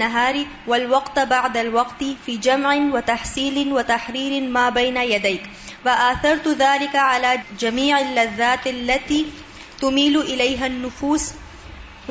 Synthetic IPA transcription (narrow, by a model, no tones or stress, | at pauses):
aɦaːɾɪ | walwɑqt̪baʕd̪alwɑqt̪ɪfiːd͡ʒamʕɪwat̪aħsiːlɪwat̪aħɾiːɾɪmaːbajnajad̪ajk | faʔaθɑɾˤt̪ðaːlɪkaʕalaːd͡ʒamiːʕalːaðːaːt̪ʔalːat̪iː | t̪ʊmiːlʔɪlajɦanːʊfuːs